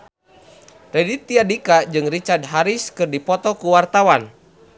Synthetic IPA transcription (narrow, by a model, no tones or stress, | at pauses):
rɛdit̪ːiadikad͡ʒɨŋrit͡ʃard̪̚ɦaɾiskɨrdipɔt̪ɔkuwart̪awan